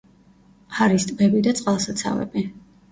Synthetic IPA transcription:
aɾist̪ʼbɛbid̪at̪sʼqʼalˠsat̪sʰa̰vɛ̰bi

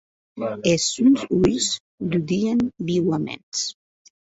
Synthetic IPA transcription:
esunzujz | lud̪ianbiwamḛns

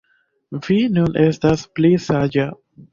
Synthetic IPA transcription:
vinunʔe̞stasplisad͡ʒa

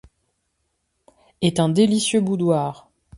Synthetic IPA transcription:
ɛt̪ɛ̃d̪elisjøbud̪waːʁ

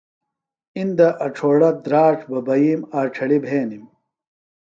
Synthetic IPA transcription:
ind̪ɐʔɐʈ͡ʂʰoːɽɐd̪ɾaːʈ͡ʂʰbɐbɐjiːmaːʈ͡ʂʰɐɭibʱeːnim

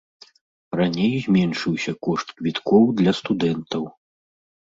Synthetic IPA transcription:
ranʲejzʲmʲɛnʂɨwsʲɐkɔʂt̪kvʲit̪kɔwd̪lʲɐst̪ud̪ɛnt̪ɐw

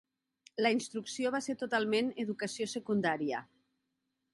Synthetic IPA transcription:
ləinst̪ɾuksioβaseɾt̪ot̪alˠmeneðukəsijosəkund̪aɾiə

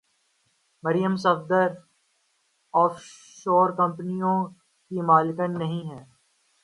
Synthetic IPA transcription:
mɐɾjəmsɐfd̪əɾ | ɔːf | ʃoːɾkɐ̃mpnijõ | kimaːlɪkənːɐɦĩɦɛː

